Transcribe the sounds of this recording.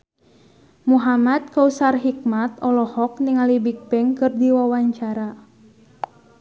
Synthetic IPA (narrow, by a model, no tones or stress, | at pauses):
muɦamat̪̚kausarɦik̚mat̪ɔlɔhɔk̚niŋalibik̚pɛŋkɨrdiwawaɲt͡ʃaɾa